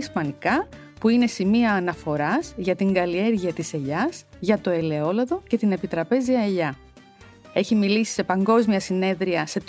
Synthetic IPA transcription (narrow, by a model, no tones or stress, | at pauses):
spɐnikɐ | puine̞simiɐːnɐfo̞ɾɐzʝɐt̪iŋɡɐlie̞ɾʝiɐt̪ise̞ʎɐz̥ | ʝɐt̪o̞e̞le̞o̞lɐðo̞ce̞t̪ine̞pit̪ɾɐpe̞ziɐeʎɐ | e̞çimilisi̥se̞pɐŋɡo̞zmiɐsine̞ðɾiɐse̞t̪